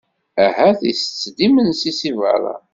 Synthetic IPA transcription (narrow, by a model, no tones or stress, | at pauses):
æhæθisə̥t͡sːd̪imənsisivə̰ɾˤɑ̰